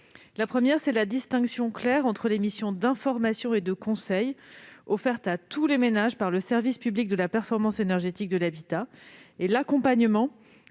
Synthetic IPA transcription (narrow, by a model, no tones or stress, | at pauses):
lapχəmjɛʁsɛlad̪ist̪ɛ̃ksjɔ̃klɛʁɑ̃t̪χəlemisjɔ̃d̪ɛ̃fɔʁmasjɔ̃ed̪əkɔ̃sɛjɔfɛʁt̪at̪ulemenaʒpaʁləsɛʁvispyblik̚d̪əlapɛʁfɔʁmɑ̃senɛʁʒet̪ik̚d̪əlabit̪aelakɔ̃paɲəmɑ̃